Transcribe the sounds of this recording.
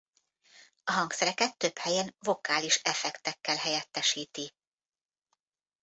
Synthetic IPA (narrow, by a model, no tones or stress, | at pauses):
ɒɦɒŋksɛɾɛkɛt̪ːø̞phɛjɛnvo̞kaːliʃɛfɛkt̪ɛkːɛlɦɛjɛt̪ːɛʃiːt̪i